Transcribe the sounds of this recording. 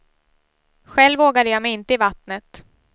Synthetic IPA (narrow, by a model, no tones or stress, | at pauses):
ɧɛlːvoːɡad̪əjɑːmɛjɪnt̪əɪvat̪nət̪